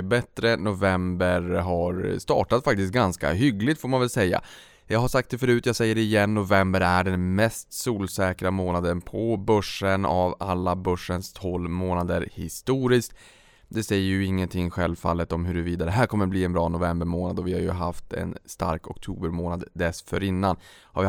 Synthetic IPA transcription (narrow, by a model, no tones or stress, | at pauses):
bɛt̪ɾənʊvɛmbəɾɦaɾst̪ɑ̰ːʈat̪fak̚t̪ɪst̪̚ɡanska̰ɦʏɡlɪɡt̪foːɾmanvɛlsɛjːa̰ | jɑːɡɦaʂak̚t̪̚d̪ɛfœɾʉ̟ːt̪jɑːɡsɛjːəɖɛɪjɛnːʊvɛmbəɾæɖɛnmɛst̪suːlsɛːkɾamoːnad̪ənpʰɔbœʂənavalːabœʂːənst̪ʰhɔlːmoːnad̪əɾhɪ̰st̪uːɾɪskt̪ | d̪ɛsɛjːəɾjɵɪŋːənt̪ʰɪŋːɧɛlvfa̰lːət̪ɔmɦɵɾɵviːd̪adɛɦæːɾkʰɔmːəɾbliːɛnbɾɑːnʊvɛmbəɾmoːnad̪ɔvɪhaɾjɵ̰ɦaft̪ɛ̰nst̪a̰ɾkɔkt̪ʰuːbəɾmoːnad̪d̪ɛsfœɾɪnːanha̰ɾvɪ